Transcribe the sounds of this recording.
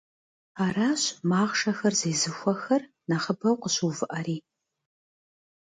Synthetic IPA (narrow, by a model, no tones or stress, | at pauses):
aːɾaːɕmaːʁʂɐxɐrzeːzɨxʷɔxɐr | nɐχəbɐwqəɕuːvɨʔɐɾiː